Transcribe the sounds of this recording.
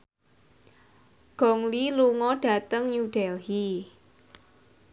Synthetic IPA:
ɡ̥ɔ̤ŋliluŋɔɖ̥a̤t̪əŋjuɖ̥ɛlhi

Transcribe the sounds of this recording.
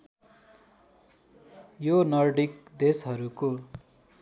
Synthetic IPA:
jonʌrɖikd̪esɦʌɾuko

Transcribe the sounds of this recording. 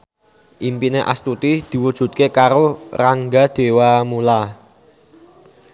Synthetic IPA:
ʔimpineʔa̰st̪ut̪id̪̥i̤wud̥ʒ̥ṳt̪̚kekaɾoraŋɡad̪̥e̤wamula

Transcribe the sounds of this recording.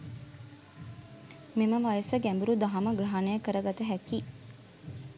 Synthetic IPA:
meməʋajəsəɡæmbuɾud̪aɦaməɡraɦanejəkəɾəɡat̪əɦæki

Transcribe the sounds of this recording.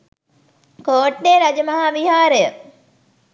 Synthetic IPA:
koːʈ̚ɖeːɾad͡ʒəmɐɦaʋiɦaːɾəjə

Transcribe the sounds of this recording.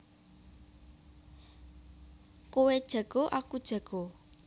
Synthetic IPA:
kowed̥ʒ̥a̤ɡ̥o̤ʔakud̥ʒ̥a̤ɡ̥o

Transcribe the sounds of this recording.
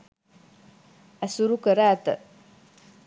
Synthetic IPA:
asuɾukəɾat̪ə̰

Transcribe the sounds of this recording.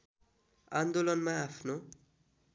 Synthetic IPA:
and̪olʌnmaːpʰno

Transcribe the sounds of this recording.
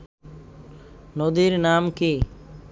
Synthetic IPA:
nod̪iɾnamki

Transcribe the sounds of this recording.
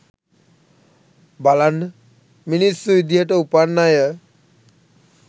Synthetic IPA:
balan | minisuid̪ijaʈaupanːajə

